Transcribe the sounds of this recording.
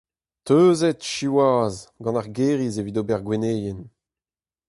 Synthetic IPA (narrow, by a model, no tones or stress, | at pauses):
t̪øːzɛtʃiwaːzɡɑ̃naʁɡeːʁizevidoːbɛʁɡweneːjen